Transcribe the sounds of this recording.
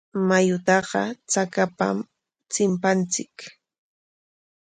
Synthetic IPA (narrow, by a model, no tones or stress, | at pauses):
majʊt̪ɑɢɑ̰t͡sakapa̰m | t͡sɪmpant͡sɪk